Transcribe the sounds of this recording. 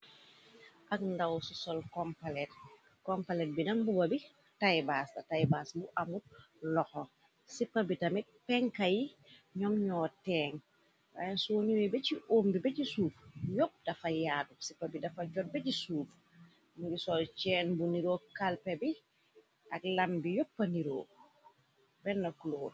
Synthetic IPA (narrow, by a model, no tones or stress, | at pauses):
ʔɐkndɐwsusɔlkɔmpalɛt | kɔmpalɛt̚bidɐŋbubɐbi | tajbasdɐtajbasbuʔɐmut̚ | lɔxɔ | sipːɐbitɐmit̚pɛŋkɐji | ɲɔmɲɔːtɛːŋ | wa̰nsuːɲuwɛbɛciʔoːmbibɛcisuːfjɔp̚dɐfɐjaːdusipːɐbidɐfɐɟɔt̚bɛcisuːf | muɡisɔt͡ʃɛːnbuniɾoːkalpɛbi | ʔɐk̚lɐmbijɔpːɐniɾo̰ː | bɛnːɐkuloː